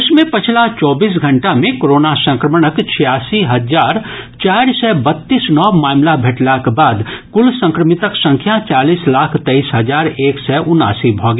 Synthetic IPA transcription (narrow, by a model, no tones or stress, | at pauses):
ʊsmẽpɐt͡ʃʰlat͡ʃɔːbiːs̬ɡʱə̃ɳʈamẽkoɾoːnasə̃ŋkɾəməɽ̃əkt͡ʃʰijaːsiɦɐd͡ʒaːɾ | t͡ʃaːɾsɛbɐt̪ːiːsnɔːmaːmlabʱeʈlakbaːd̪kʊlsə̃ŋkɾəmɪt̪əksə̃ŋkʰjat͡ʃaːliːslaːkʰt̪eiːsɦɐd͡ʒaːɾeːksɛʔʊna̰ːsibʱɔːɡ